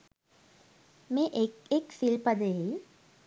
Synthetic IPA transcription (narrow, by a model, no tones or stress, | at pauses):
mẽʔekeksilpɐd̪ei